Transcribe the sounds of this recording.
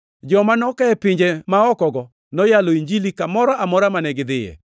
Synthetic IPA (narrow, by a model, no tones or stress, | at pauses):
d͡ʒɔmanɔkɛɛpɪɲd͡ʒɛmaɔkɔɡɔ | nɔjalɔiɲd͡ʒilikamɔɾaamɔɾamanɛɡɪd̪ɪjɛ̰